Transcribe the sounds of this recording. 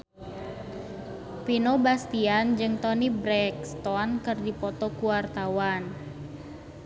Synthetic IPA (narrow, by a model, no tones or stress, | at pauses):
pinobast̪iand͡ʒɨŋt̪ɔnibɾɛkst̪ɔnkɨrdipɔt̪ɔkuwart̪awan